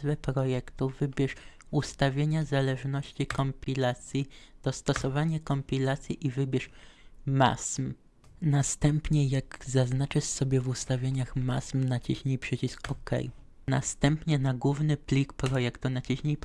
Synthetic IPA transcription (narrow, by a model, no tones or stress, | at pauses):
vɛpɾɔjɛkt̪uvɘbʲjɛʂ | ust̪avʲjeɲazalɛʐnɔɕt͡ɕikɔmpʲilat̪sʲjid̪̥ɔst̪ɔsɔvaɲakɔmpʲilat̪sʲjiʔivɘbʲɛʂma̰sm | nast̪ɛmpɲɛjaɡzaznat͡ʂɘʂsɔbʲjɛvust̪avʲjeɲaxma̰smnat͡ɕiɕɲijpʂɘt͡ɕiskɔkɛ̰j | na̰st̪ɛmpɲɛnaɡwuvnɘpʲlʲikpɾɔjɛkt̪unat͡ɕiɕɲij